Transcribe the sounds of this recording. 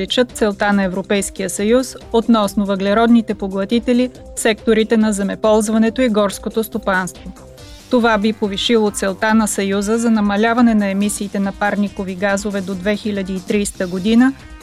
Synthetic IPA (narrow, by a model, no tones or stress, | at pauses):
lit͡ʃət̪̚t̪sɛlˠt̪anɐɛvɾopɛjskijəsɐjusot̪nɔsnovɐɡlɛɾɔd̪nit̪ɛpoɡlˠɐt̪it̪ɛli | sɛk̚t̪oɾit̪ɛnɐzɛmɛpɔlˠzvɐnɛt̪oiɡɔɾskot̪ost̪opanst̪vo | t̪ovabipoviʃilˠot̪sɛlˠt̪anɐsɐjuzəzɐnɐmɐlʲavɐnɛnɐɛmisiːt̪ɛnɐpaɾnikoviɡazovɛd̪od̪vɛxilʲɐd̪iːt̪ɾist̪əɡod̪inə